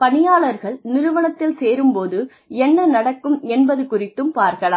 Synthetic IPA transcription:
pɐnɪjaːɭɐɾɣɐɭnɪɾʊʋɐɳɐt̪ːɪlseːɾɯmpoːðɯ | ɛnːɐnɐɽɐkːɯmɛnbɐðɯkʊrɪt̪ːɯmpaːɾkɐɭaː

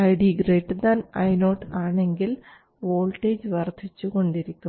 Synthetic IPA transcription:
ɐjɽiɡreːʈːd̪anɐjno̞ːʈaːɳe̞ŋɡil | ʋo̞ːɭʈːeːd͡ʑʋɐrd̪ʱit͡ɕːuko̞ɳɖiɾikʲːum

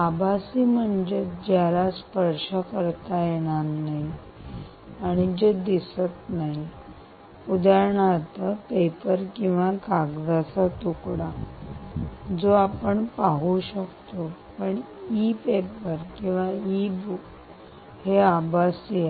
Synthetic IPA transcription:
abʱasiːm̤əɳd͡ʑed͡ʑjaɾaspəɾʂəkəɾt̪ajeɽ̃anaɦi | aɽ̃id͡ʑed̪isət̪naɦi | ud̪aɾɳat̪əpepəɾkĩw̃ʋakaɡd̪at͡sat̪ukɽa | d͡zoapəɳpaɦuɕəkt̪o | pəɳ | ipepəɾkĩw̃ʋaibu | heabʱasi

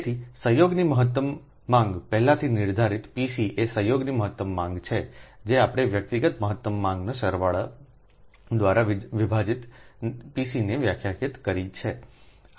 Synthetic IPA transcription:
t̪ʰisəɦjoɡniməɦət̪ːəmː | ãŋɡpɛɦlãt̪ʰinɪɾd̪ʱaɾit̪pisiʔesəjoɡniməɦət̪ːəmːãŋɡt͡ʃʰed͡ʒeapəɽ̃eʋjək̚t̪iɡət̪məɦət̪ːəmːãŋɡnaʃəɾʋaɭa | d̪ʋaɾaʋʋibʱad͡ʒit̪pisineʋjakʰjakʰit̪kəɾit͡ʃʰe

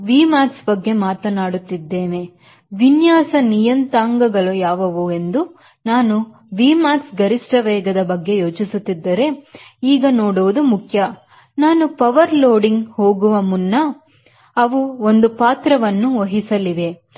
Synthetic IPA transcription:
ʋiːmaːtsbɐɡːe̞maːt̪ɐnaːɽut̪ːid̪ːeːne̞ | ʋinjaːsɐnijɐnt̪aːŋɡɐɡɐɭujaːʋɐʋue̞nd̪u | naːnu | ʋiːmaːtsɡɐɾisʈɐʋɛːɡɐd̪ɐbɐɡːe̞joːt͡ʃisut̪ːid̪ːɐɾe̞iːɡɐnoːɽuʋud̪umukʰjɐ | naːnupɐʋɐɾloːɖiŋɡhoːɡuʋɐmunːɐ | ɐʋuond̪upaːt̪ɾɐʋɐnːuoɦisɐliʋe̞

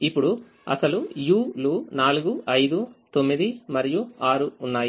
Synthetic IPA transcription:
ipːuɽu | ɐ̰sɐlujuːluːnaːluɡuʔɐjd̪ut̪o̞mːid̪imɐɾijuaːɾuːnːaːji

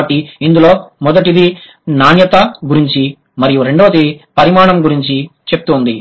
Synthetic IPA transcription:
ɐʈːiind̪ulo̞ːmɔd̪ɐʈid̪i | naːnjɐt̪ɐɡuɾiɲt͡ʃi | mɐɾijuɾe̞ɳɖoʋɐt̪ipɐɾimaːɳɐmɡuɾiɲt͡ʃit͡ʃe̞p̚t̪und̪i

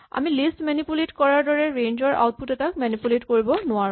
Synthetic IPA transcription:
a̰milistmɛnipuletkɔɹaɹdɔɹɛɹẽɲd͡ʒɔɹʔa̰wt̚putɛtak̚mɛnipuletkoɹibɔnʊaɹũ

